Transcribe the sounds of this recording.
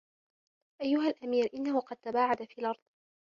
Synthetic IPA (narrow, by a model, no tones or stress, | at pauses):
ʔajːʊɦalʔamiːɾʔɪnːahʊqɑd̪̚t̪abaːʕad̪afiːlʔɑɾˤd̪ˤ